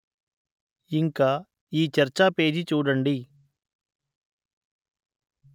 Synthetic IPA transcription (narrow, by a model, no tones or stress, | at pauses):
iŋkaː | iːt͡ʃɐɾt͡ʃape̞ːd͡ʒit͡ʃuːɽɐɳɖi